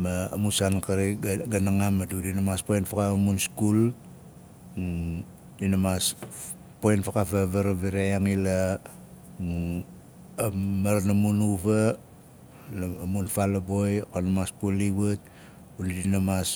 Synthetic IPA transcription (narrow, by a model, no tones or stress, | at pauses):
ma̰ːmusankaɾiɡanaŋamadudinamaspojnfakaamunskul | ŋu | dinamas | pojnfakapaβaɾaβiɾejaŋila | ŋu | maɾanamunuβa | lamunfalabo̞jkonamaskulːiβat̚ | undinamas